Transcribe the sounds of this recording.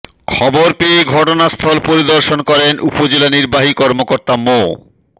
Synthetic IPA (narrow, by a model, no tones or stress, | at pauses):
kʰɔboɾpiɡʱɔʈonast̪ʰɔlpoɾid̪oɾʃonkɔɾenupod͡ʑelaniɾbaɦikɔɾmokoɾt̪amo